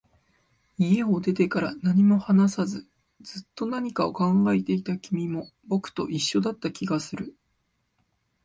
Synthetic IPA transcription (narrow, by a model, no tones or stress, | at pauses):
ie̞o̞d̪e̞t̪e̞kaɾanaɲ̟imo̞hanasazɨ | d͡zɨt̪ːo̞naɲ̟ikao̞kãŋɡaet̪e̞it̪akʲimʲimo̞bo̞kɯ̟̥t̪o̞ʔiɕːo̞d̪at̪ːakʲiɡasɨɾɯ̟